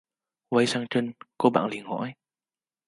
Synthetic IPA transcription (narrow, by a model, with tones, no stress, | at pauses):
wɐ˨˧˥jsaː˧ŋt͡ʃə˧˥nkɔː˧ba̰ː˨ŋli˨˩nhɔ̰˧˨˥j